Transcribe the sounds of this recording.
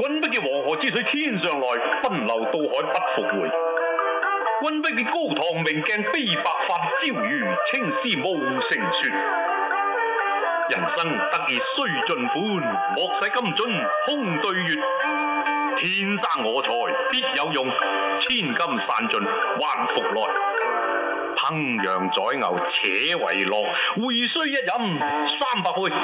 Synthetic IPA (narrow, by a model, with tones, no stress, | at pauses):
kʷɐ˥npɪ˥k̚li˧wɔː˨˩ŋɦɔː˨˩t͡siː˥sʰɵ˨˥t̪ʰiː˥nsœː˨ŋlɔː˨˩jpɐ˥nlɐ̰˨˩wt̪o˧whɔː˨˥jpɐ˥t̚fʊ˨k̚wuː˨˩j | kʷɐ˥npɪ˥k̚liː˧ko˥˧wt̪ʰɔː˨˩ŋmɪ˨˩ŋkɛː˧ŋpe˥˩jpaː˧k̚faː˧t̪t͡siː˥˩wjyː˨˩t͡sʰɪ˥ŋsiː˥mo˨˧wsɪ˨˩ŋsyː˧t̚ | jɐ˨˩nsɐ˥ŋ | t̪ɐ˥k̚jiː˨tsɵ˥ɥt͡sɵ˧nfuː˨˥ | mɔː˨˧k̚sɐ˨˥jkɐ˥mt͡sɵ˨˥n | hʰʊ˥ŋt̪ɵ˧ɥjyː˨˧t̚ | t̪ʰiː˨˧nsaː˥˩ŋːɔː˨˧t͡sʰɔː˧˩jpiː˥t̚jɐ˨˧wjʊ˨ŋ | t͡sʰiː˥˩nkɐ˥msa̰ː˧nt͡sɵ˧nwa̰ː˧nfʊ˨k̚lɔ̰ː˨j | pʰɐ˧˥ŋ | jœː˨˩ŋt͡sɔː˨˥jŋɐ̰˨˩wt͡sʰɛː˨˧wɐ̰˨˩jlɔː˧k̚wuː˨jsɵ˥ɥjɐ˥t̚jɐ˨˥m | saː˥˩mpaː˧k̚wu˥˩j